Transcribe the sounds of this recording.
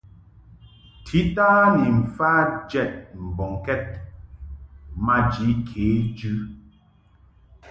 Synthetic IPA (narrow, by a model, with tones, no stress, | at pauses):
tʰi˨˦taː˦ni˨ɱ̩˨fa˦d͡ʒɛ˦˨t̚m̩˨bɔ˨ŋkɛ˦t̚ | ma˦d͡ʒi˨˦kʰeː˨˦d͡ʒʉ˦